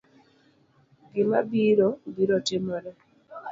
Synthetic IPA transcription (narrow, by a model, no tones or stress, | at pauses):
ɡɪmabiɾobiɾotɪmɔɾɛ